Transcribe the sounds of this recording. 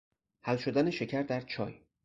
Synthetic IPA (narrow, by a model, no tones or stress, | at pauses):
hælʃo̞d̪æneʃe̞cʰæɾd̪æɾt͡ʃʰɒ̰ːj